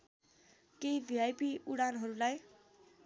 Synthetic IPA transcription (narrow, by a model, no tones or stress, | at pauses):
kejbʱiajpiuɽanɦʌɾulaj